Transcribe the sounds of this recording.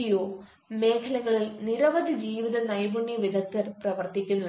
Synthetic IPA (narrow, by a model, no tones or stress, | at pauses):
ijoː | me̞ːkʰɐlɐɣɐɭilniɾɐʋɐd̪ʱid͡ʑiːʋiðɐnɐjbuɳːjiʋid̪ʱɐk̚t̪ːɐɾprɐʋɐrt̪ikʲːunːu